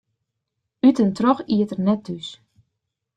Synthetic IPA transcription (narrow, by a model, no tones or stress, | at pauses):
ytəntrɔxiətərnɛt̚ːys